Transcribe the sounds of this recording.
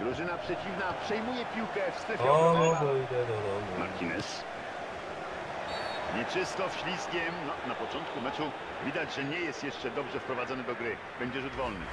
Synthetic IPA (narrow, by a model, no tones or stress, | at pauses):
ɡɾuʐɘnapʂɛt͡ɕivnapʂɛjmujɛpʲiwkɛfst̪ɾɛfjɛɔɔd̪ɔid̪ɛd̪ɔd̪ɔ | ma̰ɾt̪ʰʲinɛs | ɲɛt͡ʂɘst̪ɔfɕlʲiskʲɛmnɔnapɔt͡ʂɔnt̪̚kumɛt͡ʂu | vʲid̪ad͡ʑʐɛɲɛjɛst̪jɛʂt͡ʂɛd̪ɔbʐɛfpɾɔvad̪zɔnɘd̪ɔɡɾɘ | b̥ɛɲd͡ʑɛʐud̪vɔlnɘ̰